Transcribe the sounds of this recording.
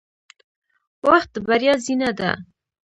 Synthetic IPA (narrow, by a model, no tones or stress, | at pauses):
waχt̪̚d̪əbaɾjɑzinad̪a̰